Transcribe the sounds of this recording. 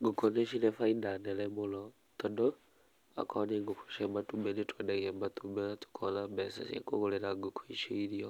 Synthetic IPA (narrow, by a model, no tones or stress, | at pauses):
ɡukoneʃilefaidanelemulo | todo | a̰kaniŋɡuki̥ʃematubenitwedaɣembatubetu̥kʰolabesa̰sḛkuɣuleɾaɡukʰwiʃiiɾio